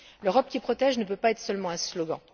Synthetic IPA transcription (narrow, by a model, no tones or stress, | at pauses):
løʁɔp̚kʲipχɔt̪ɛʒnəpøpaɛt̪χsœlmɑ̃ɛ̃slɔɡɑ̰̃